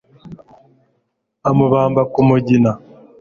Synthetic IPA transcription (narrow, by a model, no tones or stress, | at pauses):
amuβaːmbakumuɟina